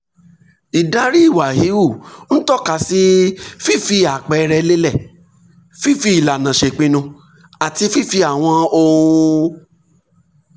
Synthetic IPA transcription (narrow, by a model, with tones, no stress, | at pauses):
i˨da˨˦ɾi˦i˦˨wa˨ɦi˨˦wu˦˨ñ̩˦tɔ˦˨ka˧˨si˦fi˦˨fi˧a˨k͡pɛ˨˧ɾɛ˧le˦lɛ˦˨ | fi˦˨fi˧˦i˨la˨nã˨ʃe˨k͡pĩ˧nũ˧ | a˨ti˧fi˦˨fi˧a˨w̃ɔ̃˧o˧